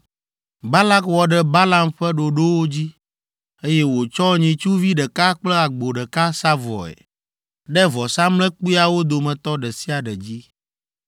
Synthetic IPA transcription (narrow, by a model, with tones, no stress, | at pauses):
ba˦la˦kwɔ˨ɖɛ˦ba˦la˦mɸɛ˦ɖo˨ɖo˦wo˦d͡ʑi˦ | e˦jɛ˦wo˨t͡ʃɔ˦ɲĩ˨t͡ʃu˦vi˦ɖɛ˨ka˦k͡plɛ˦a˨ɡ͡bo˨ɖɛ˨ka˦sa˦vɔ̰˨ɛ̰˨ | ɖɛ˦vɔ˨sã˦mlɛ̃˦k͡pu˦a˨wo˦d̪o˨mɛ̃˨t̪ɔ˦ɖɛ˨si˦a˨ɖɛ˨d͡ʑi˦